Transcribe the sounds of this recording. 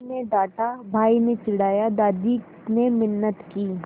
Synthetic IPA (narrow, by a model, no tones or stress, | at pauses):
nẽd̪aːʈabʱaːinẽt͡ʃɪɽ̤aːjad̪aːd̪i | nemɪnːət̪kiː